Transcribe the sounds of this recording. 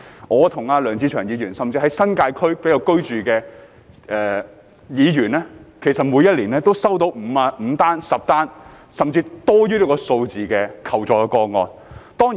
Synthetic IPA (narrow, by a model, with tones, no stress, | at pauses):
ŋɔː˨˧t̪ʰʊ˨˩ŋaː˧lœː˨˩ŋt͡siː˧˥t͡ʃʰœː˨˩ŋjiː˨˧jyː˨˩nsɐ˨mt͡siː˧hɦɐ˨˥jsɐ˥nkaː˧jkʰɵ˥ɥpe˨˥ja˧wkɵ˥ɥt͡ʃyː˨kɛː˧ | ʔɛː˨ | jiː˨˧jyː˨˩nlɛː˥kʰe˨˩jsɐ˨t̚mu˨˧jɐ˥t̚liː˨˩nɛː˥t̪o˥wsɐ˥wt̪o˨˥wm̩˨˧aː˧m̩˨˧t̪aː˥nsɐ˨p̚t̪aː˥n | sɐ˨mt͡siː˧t̪ɔː˥jyː˥liː˥kɔː˧so˧wt͡siː˨kɛː˧kʰɐ˨˩wt͡sɔː˨˧kɔː˧ŋɔ̰ː˧nt̪ɔː˥ŋi˨